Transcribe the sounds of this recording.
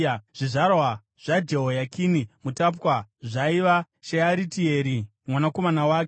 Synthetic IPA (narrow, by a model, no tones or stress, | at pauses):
ʐ̥iʐarwa | ʐ̥ad͡ʒeɦojakʰinimutap̬kaʐaiʋa | ʃeaɾitieːɾi | mwanako̞manawaːk